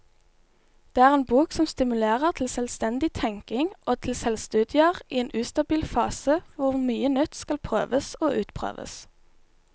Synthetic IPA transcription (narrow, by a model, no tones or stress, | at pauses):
d̪̥eːæːʁeːnbuːksɔmst̪ɪmʉleːʁəʁt̪ʰl̩sɛlst̪ɛnd̪ɪt̪ʰɛŋkɪŋʔoːt̪ʰɪl̩sɛlst̪ʉːd̪ɪəʁiːeːnʔʉːst̪ɑbiːlfɑːsəʋʊʁmyːənœt̪skɑlpʰʁøːʋəsoːʔʉːt̪pʰʁø̰ːʋə̰s